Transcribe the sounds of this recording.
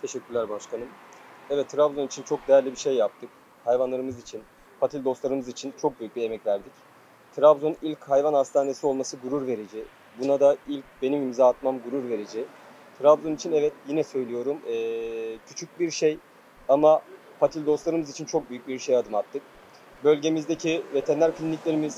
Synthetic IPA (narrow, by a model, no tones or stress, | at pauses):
t̪ʰe̞ʃɛcʲːyɾlʲæɾbaʃkʰanɯmɛvɛt̪ʰːɾabzonit͡ʃʰint͡ʃʰo̞k̚d̪ejæɾlʲibiɾʃe̞jːap̚t̪ʰɯk̚ | hajvanlˠaɾɯmɯzit͡ʃʰin | pʰat̪ʰilʲd̪o̞st̪lˠaɾɯmɯzit͡ʃʰint͡ʃʰo̞k̚byjyc̚bie̞mɛcvæɾd̪ic | t̪ʰɾabzo̞nilʲchajvanhast̪ʰaːne̞sio̞lˠmasɯɡuɾuɾve̞ɾed͡ʒi | bunad̪ailʲc̚be̞nimimzaːt̪mamɡuɾuɾve̞ɾed͡ʒi | t̪ʰɾabzonit͡ʃʰinɛvɛt̪jinɛsø̞jlʲijo̞ɾumɛːcʰyt͡ʃʰyc̚biɾʃe̞j | ama | pʰat̪ʰilʲd̪o̞st̪lˠaɾɯmɯzit͡ʃʰint͡ʃʰo̞k̚byjycbiɾʃe̞jad̪ɯmat̚t̪ʰːɯk̚ | bø̞lʲɟe̞mizd̪ecʰive̞t̪ʰɛnlʲæɾcʰlʲinːʲiclʲe̞ɾimiz